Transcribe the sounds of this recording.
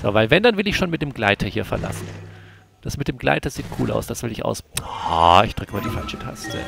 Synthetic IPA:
z̥o̰vaɪlvɛndanvɪlɪçʃoːnmɪt̚d̥eːmɡlaɪtʰɐhiːɐfɛɐla̰sn̩ | d̥asmɪt̚d̥eːmɡla̰ɪtɐz̥iːtkʰṵːla̰ʊsd̥asv̥ɪlɪçʔa̰ʊsaɪçd̥ʁ̥ʏkəmiːɐdifalʃə̥tʰasə̥zɛ̰

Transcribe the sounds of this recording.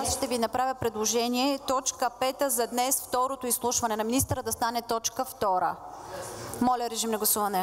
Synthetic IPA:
asʃt̪ɛvinɐpɾavʲjəpɾɛd̪lˠoʒɛniɛt̪ɔt͡ʃkəpɛt̪əzɐd̪nɛsft̪ɔɾot̪oislˠuʃvɐnɛnɐminist̪əɾəd̪ɐst̪anɛt̪ɔt͡ʃkəft̪ɔɾə̰ | mɔlʲɐɾɛʒimnɐɡlˠɐsuvɐnɛ

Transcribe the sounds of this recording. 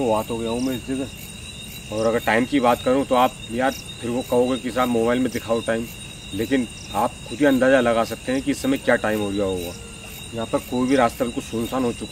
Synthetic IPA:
obaːt̪ɦoːɡɐjaɦõmẽɪsd͡ʒ̪iɡɛ | ɔːɾɐɡəɾʈaːɪmkibaːt̪kɐɾũt̪oaːp̚jaːd̪ | pʰɪɾkokɐɦoːɡekiɪs̬aːbmoːbaːɪlmẽd̪ɪkʰaːoʈaːɪm | leːkɪn | aːp̚xʰʊd̪ʱiɐ̃nd̪aːzalɐɡaːsɐk̚t̪eɦɛ̃kiɪsːɐmẽkjaːʈaːɪmɦoɡjaɦoɡaː | jɐɦãpɐɾkoːibʱiɾaːst̪abɪlkʊlsʊnsaːnɦot͡ʃʊk

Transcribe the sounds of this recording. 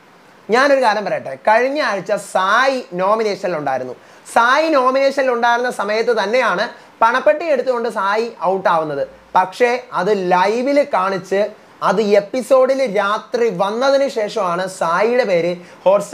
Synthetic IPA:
ɲaːno̞ɾukaːɾjɐmpɐɾɐjɐʈːekɐɻiɲːɨaːɻit͡ɕːɐsaːjino̞ːmine̞ːʂɐniluɳɖa̰ːjiɾunːṵ | saːjino̞ːmine̞ːʂɐniluɳɖaːjiɾunːɐsɐmɐjɐt̪ːɨt̪ɐnːe̞jaːɳɨ | pɐɳɐpːe̞ʈːieɽut̪ːuɣo̞ɳɖɨsaːjiʔɐwʈːaːʋunːɐðɨ | pɐkʂe̞ɐðɨlɐjʋilkaːɳit͡ɕːɨ | ɐðɨe̞pːiso̞ːɖilɾaːt̪riʋɐnːɐðinɨɕe̞ːʂɐmaːɳɨsaːjijuɽe̞pe̞ːɾɨho̞ːrs

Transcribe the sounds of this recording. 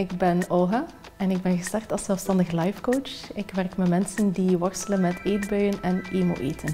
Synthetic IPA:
ɪɡ̚bɛnoːɦa | ɛnɪɡ̚bɛnɣəstɑrktɑlˠszɛlˠfstɑndəɣlɑjfkoːt͡ʃɪkʋɛrkmɛmɛnsəndiʋɑrsələnmɛtʰeːtbœɥənɛneːmo̰ːʔeːtʰən

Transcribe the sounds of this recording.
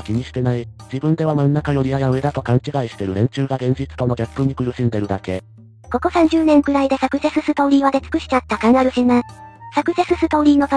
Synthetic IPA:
kʲiɲ̟iɕi̥t̪e̞naid͡ʑibɯ̟̃nd̪e̞βamãnːakajo̞ɾʲiajaɯ̟ed̪at̪o̞kãɲ̟t͡ɕiɡaiɕi̥t̪e̞ɾɯ̟ɾẽ̞ɲt͡ɕɨːɡaɡẽɲ̟d͡ʑit͡sɨ̥t̪o̞no̞ɡʲapːɯ̟ɲ̟ikɯ̟ɾɯ̟ɕĩnd̪e̞ɾɯ̟d̪ake̞ | ko̞ko̞sãɲ̟d͡ʑɨːnẽ̞ŋkɯ̟ɾaid̪e̞sakɯ̟se̞sɨsɨt̪o̞ːɾʲiβad̪e̞t͡sɨ̥kɯ̟ɕi̥t͡ɕat̪ːakãŋɡaɾɯ̟ɕinãsakɯ̟se̞sɨsɨt̪o̞ːɾʲiːno̞t̪

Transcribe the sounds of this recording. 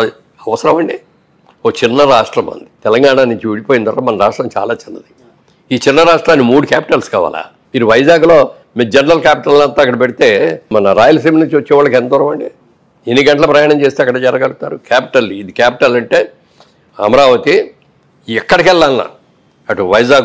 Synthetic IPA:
ɐʋɐsɐɾɐmɐɳɖi | oːt͡ʃinːɐɾaːʂʈɾɐmɐ̰nd̪i̥t̪ɛlɐŋɡaːɳanuɲt͡ʃiuɽipoːjind̪wɐ̰ɾaːmɐnɐɾaːʂʈɾɐmt͡ʃa̰ːlaːt͡ʃinːɐd̪i | iːt͡ʃinːɐɾaːʂʈɾaːnːimuːɽukaːpiʈɐlskaːʋa̰ːlʔa̰ː | miːɾuʋɐjd͡ʒaːɡulo̞ː | mid͡ʒɛnɐɾɐlkjaːpi̥ʈɐlnɐnt̪oːɐkːɐɽɐpeɽit̪e̞ːmɐnɐɾaːjɐlɐsiːmnuɲt͡ʃiʋɐt͡ʃːɛːʋaːɭːɐkend̪ɔːɾɐmɐɳɖi | enːiɡɐɳʈlɐpɾɐjaːɳɐmt͡ʃeːst̪eɐkːɐɽɐd͡ʒɛɾɐɡɐɽut̪aːɾukʰaːpi̥ʈɐlid̪ikaːpiʈɐlɐɳʈe̞ː | ɐ̰mɐɾaːʋɐt̪i | ɛkːɐɽɐkɛlːaːlna̰ː | ɐʈuʋɐjd͡ʒaːɡ

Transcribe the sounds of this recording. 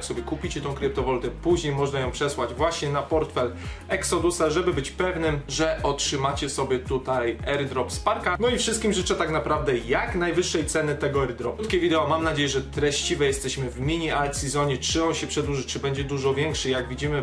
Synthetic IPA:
ksɔbʲjɛkupʲit͡ɕɛt̪ɔ̃w̃kɾɘp̚t̪ɔvɔlt̪ɛpuʑɲejmɔʐnajɔ̃w̃pʂɛswad͡ʑvwaɕɲɛnapɔɾt̪fɛl | ɛksɔd̪usaʐɛbɘbɘt͡ɕpɛvnɘmʐɛʔɔtʂɘmat͡ɕɛsɔbʲjɛt̪ut̪ajɛɾd̪ɾɔpspaɾkanɔifʂɨst̪kʲimʐɘt͡ʂɛt̪aknapɾavd̪ɛjaknajvɘʂːɛjt̪sɛnɘt̪ɛɡɔɛɾd̪ɾɔpt̪kʲɛvʲid̪ɛɔmamnad͡ʑejɛʐɛt̪ɾɛɕt͡ɕivɛjɛst̪ɛɕmɘvmʲiɲialt̪sizɔɲɛt͡ʂɘɔnɕɛpʂɛd̪wuʐɘt͡ʂɘbɛɲd͡ʑɛd̪uʐɔvʲjɛŋkʂɘjaɡvʲid͡ʑimɘ

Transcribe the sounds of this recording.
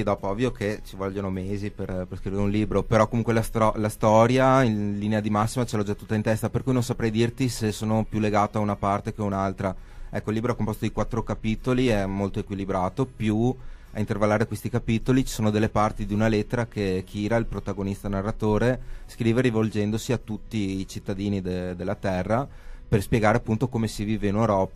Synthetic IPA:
id̪ɔːpoɔvːjokʰet͡ʃivɔʎːonomeːziperperskɾiveɾeunliːbɾopeɾɔkːomuŋkwelast̪ɔlast̪ɔːɾjailinead̪imasːimat͡ʃelɔd͡ʒat̪ːut̪ːaint̪ɛst̪aperkujnõnsapɾɛjd̪irt̪isesːoːnopjulːeɡaːt̪oaunapart̪ek̟eaunalt̪ɾaɛkːoilːibɾoɛkːompoɔst̪od̪ikwat̪ːɾokapit̪oliɛmːolt̪oekwilibɾaːt̪opjua̰int̪ervalːaːɾekwest̪ikapit̪olit͡ʃi̥soːnod̪elːepart̪id̪iunalet̪ːeɾakek̟ʰiːɾailpɾot̪aɡonist̪anarːat̪oːɾeskɾiːveɾivold͡ʒɛnd̪osiat̪ːut̪ːiːt͡ʃit̪ːad̪iːnid̪ed̪elːat̪ɛrːa | perspjeɡaːɾeapːunt̪okomesiviːveinewɾɔːpa

